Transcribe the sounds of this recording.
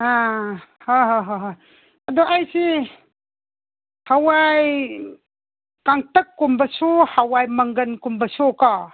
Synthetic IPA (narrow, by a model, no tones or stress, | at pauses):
ahaɦoɦoɦ | ɐdɔʔajsi | hawaj | kaŋtɐkːumbɐsuhawajmɐŋɡɐnkumbɐsoka